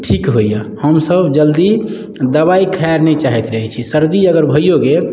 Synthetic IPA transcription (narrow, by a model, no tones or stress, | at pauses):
ʈʰikɦojjəhəmsəbd͡ʒəld̪i | d̪əβaikʰajaɾnɛt͡ʃaɦɛt̪ɾəɦɛt͡ʃʰisəɾd̪iəɡəɾbʱəjoɡe